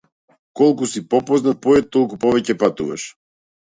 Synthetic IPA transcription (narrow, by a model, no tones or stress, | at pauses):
kɔlˠkusipɔpɔznat̪̚pɔɛt̪ːɔlˠkupɔvɛcɛpat̪uva̰ʃ